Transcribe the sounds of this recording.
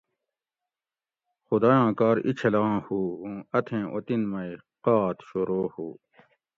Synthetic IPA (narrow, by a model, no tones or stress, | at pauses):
xud̪aːjãːkaːɾḭt͡ɕʰɐlãːhuːũːɐt̪ʰẽːʔot̪inmɐi | qaːt̪ʰɕoɾoːhuː